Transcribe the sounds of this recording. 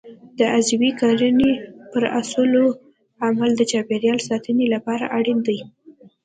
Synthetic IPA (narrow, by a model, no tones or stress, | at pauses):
d̪əʔazabikɑɾənepəɾasəlo | amald̪ət͡ʃɑpeɾjɑlsɑt̪ənelapɑɾa̰ʔaɽind̪əj